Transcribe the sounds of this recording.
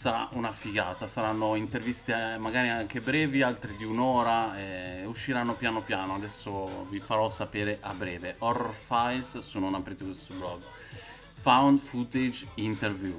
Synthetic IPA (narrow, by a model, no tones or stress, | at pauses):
saɾa̰ʔunafiɡa̰ːt̪asaɾanːoint̪ervist̪emaɡaːɾiaŋk̟ebɾɛːvialt̪ɾid̪iunoːɾaɛuʃːiɾanːopjaːnopjaːnoad̪ɛsːovifaɾɔsapeːɾeʔabːɾɛːveʔɔrfajssunonapɾeːt̪ekwest̪oblɔɡ | fawnfut̪ed͡ʒint̪ervju